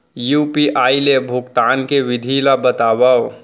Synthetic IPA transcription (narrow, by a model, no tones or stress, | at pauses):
juːpiʔaːilebʱʊkt̪aːnkeʋɪd̪ʱilabət̪abaw